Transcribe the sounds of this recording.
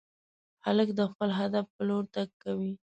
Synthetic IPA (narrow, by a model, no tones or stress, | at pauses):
haləkd̪əxpəlɦad̪afpəloɾt̪aɡ̚kːawi